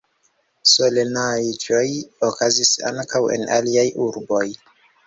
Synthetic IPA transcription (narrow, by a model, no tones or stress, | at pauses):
solenajd͡ʒo̞jokazisa̰ŋkawe̞̰naliajʔuɾbo̞j